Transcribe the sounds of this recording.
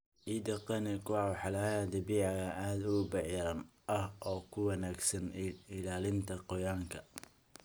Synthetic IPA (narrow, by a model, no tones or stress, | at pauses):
ʔid̪ɐqɐnɛkʰʊwɑːwħɑlɐjad̪ɐbiːʕɑɣɐʔaːd̪ʊbɛʕjɐɾɐn | ɐhʔɔːkʰʊwɑnaːɡsɐnɪlaːlɪnt̪ʰɐqɔjaːŋkʰɐ